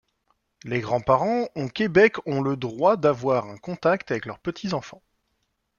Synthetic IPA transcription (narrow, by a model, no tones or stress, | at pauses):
leɡʁɑ̃paʁɑ̃ukʲebɛkɔ̃ləd̪ʁwad̪avwaʁɛ̃kɔ̃t̪akt̪avɛklœʁpət̪ʰizɑ̃fɑ̃